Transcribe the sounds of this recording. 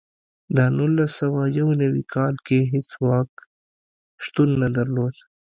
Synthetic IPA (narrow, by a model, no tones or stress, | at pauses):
d̪anulːasəwajawnɐwḭkʰɑːlkeɦɪt͡swɑːk | ʃt̪unːɐd̪ɐɾloːd̪